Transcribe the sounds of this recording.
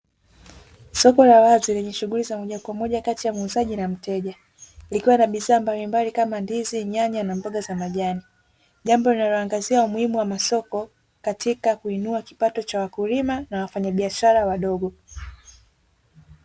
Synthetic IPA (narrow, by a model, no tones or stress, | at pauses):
sɔkɔlawazilɛɲɛʃuɣulizamɔʄakwamɔʄakatijamuzaʄinam̩tɛʄa | likiwanaɓiðaːmbalimbalikamandiziɲaɲanambɔɠazamaʄani | ʄambɔlinalɔaŋɡaziaumuhimuwamasɔkɔ | katʰikakuinuaki̥patɔt͡ʃawakulimanawafaɲaɓiaʃaɾawaɗɔɡɔ